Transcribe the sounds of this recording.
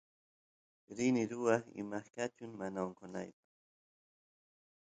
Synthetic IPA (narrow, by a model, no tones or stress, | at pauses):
ɾɪnɪɾʊwɑχɪ̰maχkat͡ʃʊŋmanaoŋkona̰jpaχ